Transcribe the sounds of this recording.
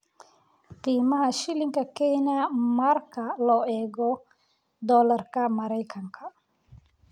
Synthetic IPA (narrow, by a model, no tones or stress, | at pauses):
t̪iːmɐɦɐʃɪlɪŋkʰɐkʰɛjnɐmɐrkʰɐlɔːʔɛːɣɔ | d̪ɔːlɐrkʰɐmɐɾɛjkʰɐŋkʰɐ